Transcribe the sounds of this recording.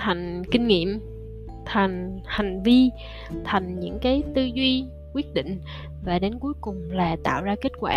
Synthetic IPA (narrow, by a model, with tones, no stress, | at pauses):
t̪ʰa˨˩jŋ̟kï˧ŋ̟ŋḭ˧˨əm | t̪ʰa˨˩jŋ̟ha˨˩jŋ̟vi˧ | t̪ʰa˨˩jŋ̟ɲɨ̰˧˥ŋkaː˨˦jt̪ɨ˧zwi˧ | kwi˦˥ət̚ɗḭ̈˧˨ŋ̟ | vaː˨˩ɗe˨˦nku˨˦jkʊ˨˩ŋ͡mlaː˨˩t̪a̰ː˧˨wzaː˧ke˦˥t̚kwaː˧